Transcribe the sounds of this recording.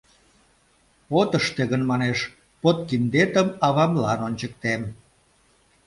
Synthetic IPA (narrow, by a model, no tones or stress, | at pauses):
pot̪əʃt̪eɣənmɑneʃ | pot̪̚kind̪et̪əmɑβɑmlɑnonʲt͡ɕək̚t̪em